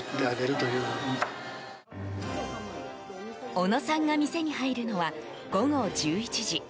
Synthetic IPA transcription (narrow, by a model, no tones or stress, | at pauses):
d̪eaɡeɾɯt̪ojɯːo | ono̞sãŋɡamʲise̞ɲ̟iɦaiɾɯ̟no̞βa | ɡ̥o̞ɡo̞d͡ʑɨːit͡ɕiʑi